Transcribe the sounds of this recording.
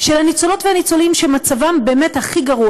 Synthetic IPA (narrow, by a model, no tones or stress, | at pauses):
ʃelhanit͡solo̞tveanit͡so̞limʃemat͡savambe̞ːme̞thaχiɡaʁu